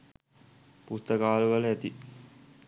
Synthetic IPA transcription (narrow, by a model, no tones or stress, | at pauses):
pust̪əkaːləʋələæt̪i